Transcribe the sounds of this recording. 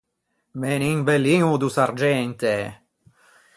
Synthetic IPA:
meninbelːiŋud̪usaɾd͡ʒɛnt̪e

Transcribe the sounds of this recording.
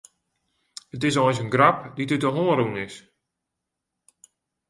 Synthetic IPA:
ət̬ɪs̬ɔjnsənɡrapditytəɦoːəɾunɪs

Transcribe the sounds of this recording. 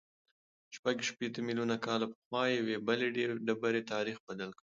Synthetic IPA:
ʃpaɡʃpet̪əmiljunakɑlapəxwɑjewebəleɖeɖabəɾet̪ɑɾixbad̪alkɽi

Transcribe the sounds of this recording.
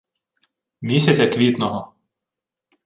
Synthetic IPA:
mʲisʲɐt͡sʲɐkʋʲit̪nɔɦɔ

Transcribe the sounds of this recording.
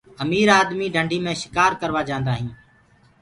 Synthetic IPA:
əmiːɾaːd̪miːɖʱəɳɖʱiːmẽːʃɪ̥kaːɾkəɾʋaːd͡ʒãːnd̪aːɦĩː

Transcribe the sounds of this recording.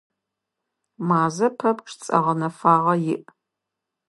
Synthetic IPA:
maːzɐpʰɐpʈ͡ʂʰt͡sʼɐ̰ʁɐnɐfaːʁɐjɪ̰ʔ

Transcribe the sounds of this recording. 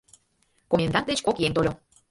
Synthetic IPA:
komʲend̪ɑnt̪̚d̪et͡ɕkokjent̪olʲo

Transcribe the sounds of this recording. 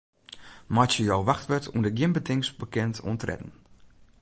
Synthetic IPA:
matjəjɔwʋaxtʋətundəɡjɪmbətɪŋsbəkɛntʰṵəntrɛ̰dn̩

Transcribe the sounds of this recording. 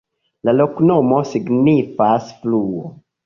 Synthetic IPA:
laloknomosiɡnifasfluo̰

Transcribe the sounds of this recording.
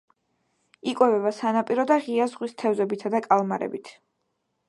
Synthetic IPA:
ikʼwɛvɛbasanapʼiɾɔd̪aʁiazʁwist̪ʰɛvzɛbit̪ʰad̪akʼalˠmaɾɛ̰bit̪ʰ

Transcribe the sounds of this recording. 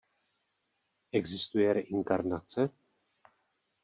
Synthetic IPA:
ʔɛɡzɪst̪ujɛɾɛʔɪŋkaɾnat͡sɛ

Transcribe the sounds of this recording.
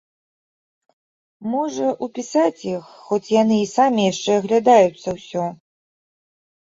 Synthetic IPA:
mɔʐɐʔupʲisat͡sʲjixːɔt͡sʲjanɨːsamʲijaʂt͡ʂɛɐɣlʲad̪ajut̪sːɐwsʲɔ

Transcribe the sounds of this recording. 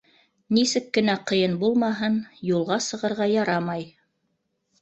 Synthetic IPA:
nisɘkːɘ̆næqɤ̆jɤnbulˠmɑɦɤnjulˠʁɑsɤ̆ʁɤ̆ɾʁɑjɑɾɑmɑj

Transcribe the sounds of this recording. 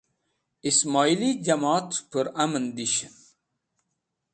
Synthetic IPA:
ismɑilid͡ʒamɑt̪pəɾamənd̪iʃən

